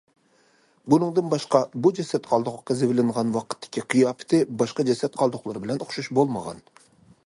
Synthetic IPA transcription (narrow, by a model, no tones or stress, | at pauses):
bʊnɨŋd̪ɨnbɑʃqɑbud͡ʒɛsɛt̪̚qʰɑlˠd̪ʊqːɑzevlɪŋʁɑnwɑqə̥t̪ʰːɪ̥kʲiqʰijɑpʰɪ̥t̪ʰɪbɑʃqɑd͡ʒɛsɛt̪̚qʰɑlˠd̪ʊqlˠɑɾbɪlɛnʊχʃuʃbolˠmɑʁɑ̰n